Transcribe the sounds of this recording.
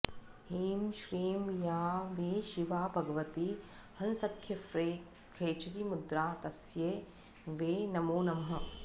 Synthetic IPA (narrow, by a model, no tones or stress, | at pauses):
hiːmʃɾiːmjaːʋeːʃiʋaːbʱɐɡɐʋɐt̪i | hɐnsɐkʰjɐfɾeː | kʰeːt͡ʃɐɾimud̪ɾaːt̪ɐsjeː | ʋeːnɐmoːnɐmɦɐ̆